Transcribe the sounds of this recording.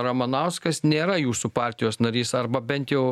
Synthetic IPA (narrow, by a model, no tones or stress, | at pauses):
ɾɐmɐnɐʊskɐsnʲeːɾɐjuːsupɑːɾʲt̪ʲɪjoːsnɐɾʲiːsɐɾbɐbʲɛnʲt̪jɛʊ